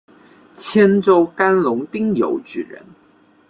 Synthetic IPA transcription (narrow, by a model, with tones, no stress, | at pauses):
t͡ɕʰjɛ˥nʈ͡ʂo˥ʊka˥nlʊ˧˥ŋt̪i˥ŋjo̰˧˥ʊt͡ɕy˨˩ɻə̰˧˥n